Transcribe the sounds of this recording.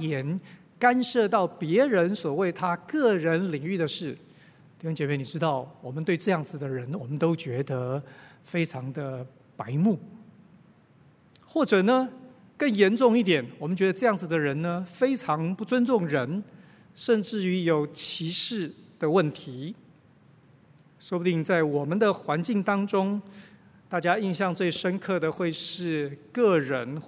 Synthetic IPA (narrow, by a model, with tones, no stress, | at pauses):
jɛ˧˥n | ka˥nʂɤ˥˧t̪̬ɑ˥˩ʊpjɛ˧˥ɻə˧˦nswɔ˨˩we˥˩ɪt̪ʰa˥kɤ˥˩ɻə˧˦˥nli˨˩ŋy˥˩d̪ə˩ʂɻ̩˥˩ | t̪i˥˩ɕʊ˥ŋt͡ɕjɛ˨˧˦me˥˩ɪni˨˩ʈ͡ʂɻ̩˥t̪ɑ˥˩ʊwɔ˨˩mə˦nt̪we˥˧ɪʈ͡ʂɤ˥˧jɑ˥˩ŋd͡zɹ̩˨˩d̪ə˩ɻə˧˦˥nwɔ˨˩mə˦nt̪o˥ʊt͡ɕɥɛ˧˥d̪ə˧ | fe˥ɪʈ͡ʂʰɑ˧˥ŋd̪ə˧ | pa˧˥ɪmu˥˩ | xwɔ˥˩ʈ͡ʂɤ˨˩nə˦ | kə˥˩njɛ˧˥nʈ͡ʂʊ˥˧ŋi˥˩t̪jɛ˨˩nwɔ˨˩mə˦nt͡ɕɥɛ˧˥d̪ə˧ʈ͡ʂɤ˥˧jɑ˥˩ŋd͡z̩˨˩d̪ə˩ɻə˧˥nnə˧fe˥ɪʈ͡ʂʰɑ˧˥ŋpu˥˧t͡swə˥nʈ͡ʂʊ˥˩ŋɻə˧˦n | ʂə˥˧nʈ͡ʂɻ̩˥˩y˧˥jo˨˩ʊt͡ɕʰi˧˥ʂɻ̩˥˩d̪̥ə˩wə˥˩nt̪ʰi˨˧˥ | ʂwɔ˥pu˧t̪i˥˩ŋt͡sa˥˩ɪwɔ˨˩mə˦nd̪ə˨xwa˧˦nt͡ɕi˥˩ŋt̪ɑ˥ŋʈ͡ʂʊ˥ŋ | t̪a˥˩t͡ɕja˥i˥˧nɕjɑ˥˧ŋt͡swe˥˩ɪʂə˥nkʰɤ˥˩d̪ə˩xwe˥˧ɪʂɻ̩˥˧kɤ˥˩ɻə˧˦n